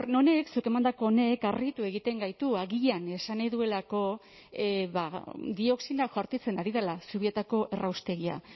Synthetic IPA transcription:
no̞ne̞ksuke̞mand̪ako̞ːne̞karɣit̪ue̞ɣit̪e̞ŋɡajt̪uaɣiʎane̞sanajðue̞lako̞ | βad̪io̞ksinakʝaɾt̪it͡se̞naɾiðelasuβiet̪ako̞ʔe̞rawst̪e̞ɣia̰

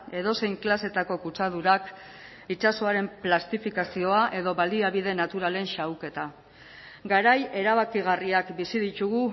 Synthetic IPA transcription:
e̞ðo̞se̞jŋklase̞t̪ako̞kut͡sað̞uɾak | it͡ʃaso̞aɾe̞mplast̪ifikasio̞aʔe̞ðo̞βald̪iaβið̞e̞nat̪uɾale̞nʃawke̞t̪a | ɡaɾaje̞ɾaβ̞akiɣariakbisiðit̪uɣu

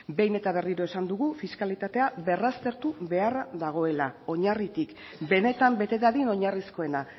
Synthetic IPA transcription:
be̞jne̞t̪aβ̞e̞riɾo̞e̞sand̪uɣufiskalit̪at̪e̞aβe̞rast̪e̞ɾt̪uβe̞arðd̪aɣ̞o̞e̞lao̞ɲarit̪ik | be̞ne̞t̪ambe̞t̪e̞ðaðino̞ɲarisko̞e̞na

